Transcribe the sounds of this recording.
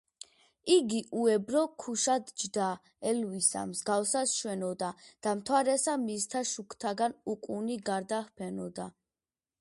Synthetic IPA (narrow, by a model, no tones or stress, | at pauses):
iɡiʔuɛbɾɔkʰuʃad̪d͡ʒd̪a | ɛlvisa̰mzɡafsasʃwɛnɔd̪ad̪̥amt̪ʰwaɾɛsamist̪ʰaʃukʰt̪ʰaɡanukʼuniɡaɾd̪ahpʰɛnɔd̪a